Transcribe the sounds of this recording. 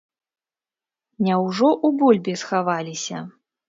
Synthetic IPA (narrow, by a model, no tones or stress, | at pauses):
nʲawʐɔʔubɔlʲbʲisxavalʲisʲɐ̰